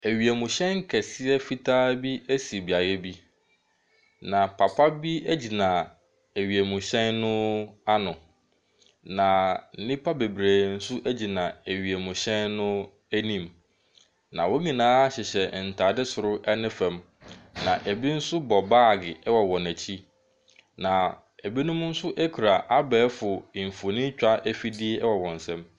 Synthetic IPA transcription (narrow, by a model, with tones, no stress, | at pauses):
æ˨ɥi˨æ˨mʊ̃˨ɕɛ̃˦ŋ˦kʰɛ˨sɪ˦ɛ˦fi˦tʰaː˦bi˦æ˦si˨e˨bi˨a˨jɛ˦bi˦ | nã˨pʰa˨pʰa˦bi˦æ˦d͡ʑi˨nã˨ | æ˨ɥi˨æ˨mũ˨ɕɛ̃˦nːʊ̃˦a˦nʊ̃˨ | nã˨n̩˦nĩ˦pʰa˦be˨bɾeː˨n̩˦sʊ˦ʔæ˦d͡ʑi˨nã˨æ˨ɥi˨æ˨mʊ̃˨ɕɛ̃˦nːʊ̃˦ | æ˦nĩ˦m | nã˨wo˦ɲĩ˨nãː˦ɕɛ˨ɕɛ˨n̩˨tʰa˨dɪ˦sʊ˨ɾʊ˦ʔɛ˦nɪ̃˦fɛ̃˨m | nã˨ʔæ˨bi˦n̩˦sʊ˦bɔ˨baː˦˨ɡɪ˨ʔɛ˦wɔ˨wɔ̃˨næ˨t͡ɕʰi˦ | nã˨ | æ˨bi˦nʊ̃˦m˦n̩˦sʊ˦ʔæ˦kʰu˨ɾa˨ʔa˦bɛː˨˦fʊ˨fo˨nĩ˦t͡ɕᶣa˦ʔæ˦fi˦di˦ɛ˦ɛ˦wɔ˨wɔ̃˨n̩˨sɛ̃˦m